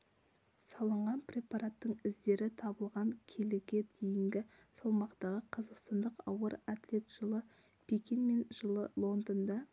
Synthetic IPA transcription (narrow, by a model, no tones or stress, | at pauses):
sɑlˠəɴʁɑnprʲe̞pɑɾat̪ːəɴɪzd̪e̞ɾɪt̪ʰɑbəlˠʁɑŋkʲʰelɪɡʲe̞d̪ejɪŋɡʲɪ | sɑlˠmɑqt̪ɑʁəqʰɑzɑqst̪ɑnd̪əqɑwəɾat̪le̞t̪ʒ̥əlˠə | pʲʰekʲinme̞nʒəlˠəlˠo̞nd̪ənd̪ɑ